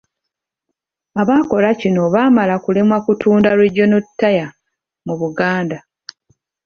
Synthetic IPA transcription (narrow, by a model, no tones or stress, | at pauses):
aβaːko̞lacino̞βaːmalakulemwakutʰuːndalweɟːo̞notːaja | muβuɡaːnda